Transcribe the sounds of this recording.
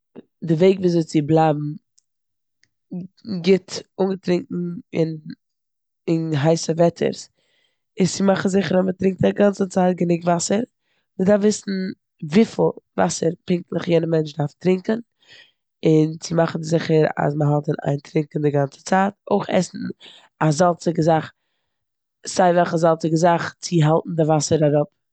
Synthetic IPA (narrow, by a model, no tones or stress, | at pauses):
dɪveɪkviːzoɪt͡sɪblˠaːbm̩ | ɡɪtʊŋɡətɾɪŋkŋ̩ɪn | ɪnɦaɪsəvɛtʰə̰ɾs | ɪssɪmaχn̩zɪχəɾamətɾɪŋk̚taɡant͡sət͡saːt̚ɡənɪkvasəɾ | mɪdaɾfvɪsn̩ | viːfɪlˠva̰səɾpɪŋk̚tlˠəχjɛnəmɛnt͡ʃdaɾftɾɪŋkn̩ | ɪnt͡sɪmaχn̩zɪχəɾa̰sməɦɔlˠtənʔa̰ɪntɾɪŋkn̩dɪɡant͡sə̥t͡saːto̰ɪχɛ̰sn̩ | azalˠt͡sɪɡəzaχ | z̥aɪvɛlˠχəzalˠt͡sɪɡəzaχt͡sɪɦalˠtn̩dɪvasəɾaɾʊp̚